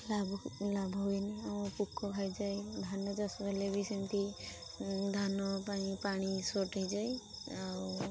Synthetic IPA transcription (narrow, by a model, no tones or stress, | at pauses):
lablabʱɦoiniamɔpukʰːɔbʱajd͡ʒajd̪ʱanɔd͡ʒasbalebisint̪i | d̪ʱanɔpañipaɽ̃isɔʈɦəjd͡ʒaj | aw